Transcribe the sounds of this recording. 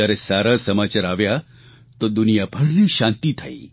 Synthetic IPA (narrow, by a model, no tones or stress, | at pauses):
aɾɛsaɾasəmat͡ɕaɾaʋja | t̪od̪unijabʱəɽliːɕãnt̪iːt̪ʰaiː